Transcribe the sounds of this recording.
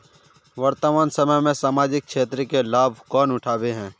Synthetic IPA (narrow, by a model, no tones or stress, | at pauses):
ʋɐɾt̪əmaːnsəməjmẽsaːmaːd͡ʒɪk̚kʃeːt̪ɾəkelaːbʱkɔːnʊʈʰaːbeɦɛ̃ː